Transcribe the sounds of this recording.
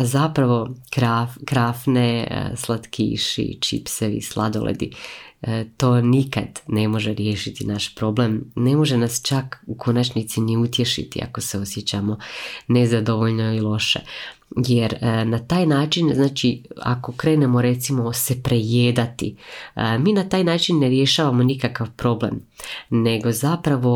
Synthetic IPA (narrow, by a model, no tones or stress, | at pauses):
azapɾaʋo̞kɾafkɾafnḛslˠat̪kʰḭʃḭt͡ʃḭpseʋḭslˠʔa̰d̪olḛd̪ḭ | t̪o̞ːnikad̪ne̞mo̞ʒeɾjeːʃit̪inaʃpɾo̞blemne̞mo̞ʒenast͡ʃakukʰo̞nat͡ʃnit̪siniut̪je̞ʃḭt̪ḭa̰koseo̞sjet͡ɕamo̞nezad̪o̞ʋoʎno̞ilˠo̞ʃḛ | jeɾnat̪aːjnaːt͡ʃinznaːt͡ʃia̰ko̞kɾe̞ːne̞mo̞ɾe̞t̪simo̞se̞pɾejeːd̪at̪ḭmiːnat̪aːjnaːt͡ʃinːe̞ɾje̞ʃaːʋamo̞nikakaʋpɾo̞ble̞̰mne̞ɡo̞zapɾaʋo̞